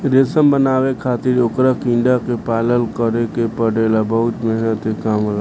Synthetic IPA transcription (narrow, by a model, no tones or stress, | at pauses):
ɾeːsəmbənaːwekʰaːt̪ɪɾokɾakɪ̃ɳɖakepaːləlkəɾekepəɽelabəɦʊt̪mɛɦnət̪ekaːmɦla